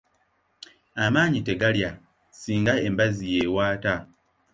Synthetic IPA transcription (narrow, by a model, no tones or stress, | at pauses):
amaːɲite̞ɡalja | siːŋɡae̞mbazije̞ːwaːta